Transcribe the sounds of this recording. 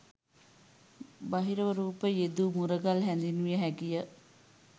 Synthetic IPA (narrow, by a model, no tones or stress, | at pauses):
baɦiɾəʋəɾuːpəjed̪uːmuɾəɡalɦænd̪inuʋijəɦæɡijə